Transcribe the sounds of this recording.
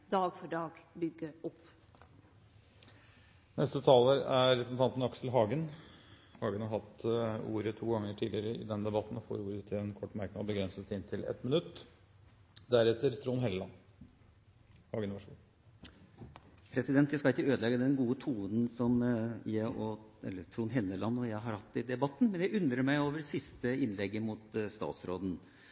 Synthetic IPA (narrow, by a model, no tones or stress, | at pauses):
d̪ɑːɡfɔɖɑːɡbʏɡəɔp | nʔɛst̪ət̪ʰɑːləɾæːɛpəsn̩ɑnt̪n̩ɑksl̩ɦɑːɡən | hɑːɡənhɑɾɦɑt̪ṵːɾət̪ʰuːɡɑŋːəʈʰiːdlɪəɾəɪ̰d̪ɛnd̪ɛbɑt̪n̩ɔfo̰ːɾuːɾət̪ʰɪɛnkʰɔʈːmæɾknɔbəɡɾɛnsət̪sæɪɪnt̪ʰɪlɛ̰t̪mɪnʉt̪ː | d̪æɾɛt̪ːəɾt̪ʰɾuːnɦɛlːəlɑn | hɑɡənʋɑʂ | pʰɾɛsɪd̪ɛnt̪jæɪskɑɪkːəøːd̪əlɛɡːəd̪ɛnɡuːət̪ʰuːnn̩sɔmjæʔɔɛ̰lːət̪ʰɾuːnɦɛlːəlɑnːɔjæɪɦɑɾhɑt̪ːɪd̪ɛbɑt̪ːn̩mɛnjæɪʉnd̪ɾəɾmæɪoːʋəsɪst̪əɪnlɛɡːəmʊt̪st̪ɑ̰ːt̪sɾo̰ːd̪n̩